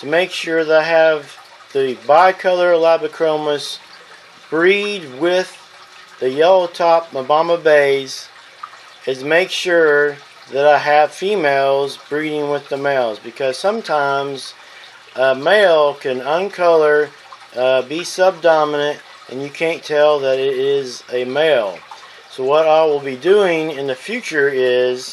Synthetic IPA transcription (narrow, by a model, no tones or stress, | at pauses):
tʰɨmeɪkʃʊɹðəɾaɪɨv | ðɨbaɪkʰʌlˠə˞læbɨkʰɹ̥õʊməs | b̥ɹid̚wɪð | ɨjɛlˠoʊtʰɑp̚məbɑməbeɪz̥ | ɨ̃meɪkʃʊɹ | ðɨɾaɪɨv̥fimeɪlˠzbɹiɾɪ̃ŋwɪðəmeɪlˠzbɨkʰʌz̥sʌ̃mtʰãɪ̃mz | əmeɪlˠkʰɨ̃nə̃nkʰʌlˠə˞ | bisʌb̚dɑmənɨ̃nt | ʔɨ̃njɨkʰæ̃ntʰɛlˠðɨɾɪɾɪzɨmeɪlˠ | soʊwʌɾaɪwəlˠbidʉɪ̃ŋɨ̃nðɨfjʉt͡ʃə˞ɪz̥